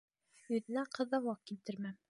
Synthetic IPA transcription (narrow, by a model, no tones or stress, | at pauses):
jɵ̆ðɘ̆næqʰɤ̆ðɑwɑq̚kilt̪ɘɾmæm